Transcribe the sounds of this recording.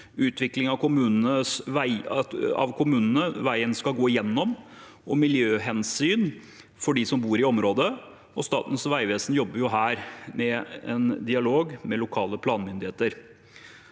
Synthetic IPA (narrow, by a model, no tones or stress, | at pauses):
ʉːt̪ʰʋɪklɪŋɑʋkʰʊmʉːnənəsʋæɪɑ̰ʋkʰʊmʉːnənəʋæɪənskɑlɡoːɪjɛnːɔm | ɔmɪljøːɦɛnsyːn | fɔɖisɔmbuːɾɪɔmɾoːd̪ə | ɔst̪ɑ̰ːt̪n̩sʋæɪʋeːsn̩jɔbːəɾjʊɦæːɾmɛɛnd̪ɪɑloːɡmɛlʊkʰɑːləpʰlɑːnmʏnd̪ɪheːt̪əɾ